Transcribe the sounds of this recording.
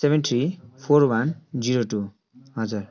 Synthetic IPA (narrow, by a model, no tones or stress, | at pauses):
sebent̪ʰɾipʰorwand͡ziɾoʈu | ɦʌd͡zur